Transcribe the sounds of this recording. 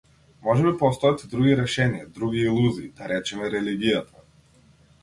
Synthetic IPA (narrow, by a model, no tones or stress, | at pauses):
mɔʒɛmɛpɔst̪ɔjat̪ʲd̪ɾuɡiɾɛʃɛnijad̪ɾuɡiːlˠuziːd̪aɾɛt͡ʃɛmɛɾɛliɡijat̪ʰa